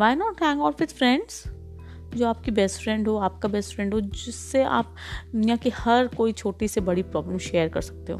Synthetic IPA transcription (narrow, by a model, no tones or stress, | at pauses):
ʋaːɪnɔːʈɦɛ̃ŋɡɔːfɪd̪fɾɛ̃ɳɖz̥ | d͡ʒoːaːp̚kibɛsʈfɾɛ̃ɳɖɦoaːp̚kabɛsʈfɾɛ̃ɳɖɦod͡ʒɪsːea̰ːp̚d̪njaːkihɐɾkoːit͡ʃʰoːʈisebɐɽipɾɔːbləmʃeːəɾkɐ̰ɾsɐ̥k̚t̪eɦõ̰ː